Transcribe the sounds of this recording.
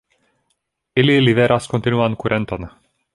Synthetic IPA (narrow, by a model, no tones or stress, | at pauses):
ililivɛɾʔaskont̪inuankuɾʔɛnt̪an